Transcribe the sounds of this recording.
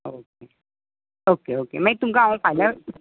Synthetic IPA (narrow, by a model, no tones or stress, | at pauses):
oːke | oːkeoːkḛmãit̪umkaaõpʰajla